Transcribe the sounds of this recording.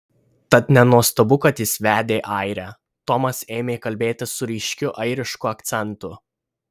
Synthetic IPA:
t̪ɐt̪nʲɛnuɔst̪ɐbʊkɐt̪jɪsʋʲæːd̪ʲeːʔɐɪɾʲæ | t̪ɔmɐseːmʲeːkɐlʲbʲeːt̪ʲɪsʊɾʲiʃʲkʲʊʔɐɪɾʲɪʃkʊɐkt̪sʲɛnˑt̪ʊ

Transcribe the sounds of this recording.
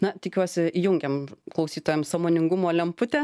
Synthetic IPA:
nɐt̪ʲɪkʲuɔsʲɪijʊŋʲɡʲɛmklˠɐʊsʲiːt̪oːjɛmsɑmoːnʲɪŋɡʊmoːlʲɛmpʊt̪ʲɛ

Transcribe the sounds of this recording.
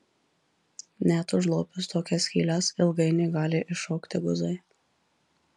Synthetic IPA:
nʲæt̪ʊʒlˠoːpʲʊst̪oːkʲɛsʲkʲiːlʲɑsɪlˠɡɐɪnʲɛɪɡɑːlʲɪʔɪʃɔːkt̪ʲɪɡʊzɐɪ

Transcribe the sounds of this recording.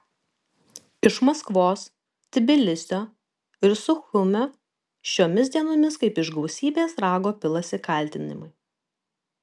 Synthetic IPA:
ɪʃmɐskʋoːs | t̪ʲɪbʲɪlʲɪsʲt̪ʲoː | ɪɾsʊxʊmʲo | ʃʲoːmʲɪs̬ʲd̪ʲiɛnoːmʲɪskɐɪpɪʒɡɐʊsʲiːbʲeːsɾɑːɡoːpʲɪlˠɐsʲɪkɐˑlʲˑt̪ʲɪnʲɪ̰mʊɪ

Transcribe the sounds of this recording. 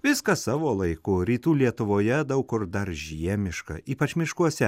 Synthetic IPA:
ʋʲɪskɐsɑːʋoːlˠɐɪkʊɾʲiːt̪uːlʲiɛt̪ʊʋoːjɛd̪ɐʊkʊɾd̪ɐɾʒʲiɛmʲɪʃkɐ̰iːpɐt͡ʃmʲɪʃkuɔsʲɛ

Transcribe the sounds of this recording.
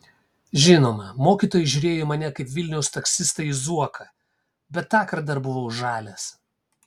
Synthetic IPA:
ʒʲɪnoːmɐmoːkʲiːt̪oːjɛʒʲʊɾʲeːjomɐnʲɛkɐɪpʲʋʲɪlʲnʲɛʊst̪ɐksʲɪst̪ɐizuɔkʰɐ | bʲɛt̪ːɑːkɐɾd̪ɐɾbʊʋɐʊʒɑːlʲes

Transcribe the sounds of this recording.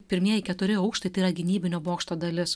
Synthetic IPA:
pʲɪɾʲmʲiɛjɛɪkʲɛt̪ʊɾʲɪɐʊkʃt̪ɐɪt̪ɐɪiɾɐɡʲɪnʲiːbʲɪnʲoːboːkʃt̪oːd̪ɐlʲɪs

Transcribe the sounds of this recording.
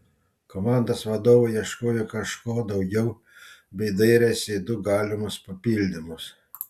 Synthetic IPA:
koːmɑˑnd̪oːsʋɐd̪oːʋɐɪiɛʃkoːjɛkɐʃkoːd̪ɒʊɡʲɛʊ | bʲɛɪd̪ɐɪɾʲɛsʲɪd̪ʊɡɑːlʲɪmʊspɐpʲilʲd̪ʲɪmʊs

